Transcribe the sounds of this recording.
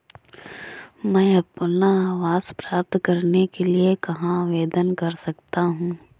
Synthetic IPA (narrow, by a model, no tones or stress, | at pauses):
mɛ̃ːɐpnaaːʋaːz̥pɾaːp̚t̪kɐɾnekeliekɐɦãʋeːd̪ənkɐɾsɐk̚t̪aɦũː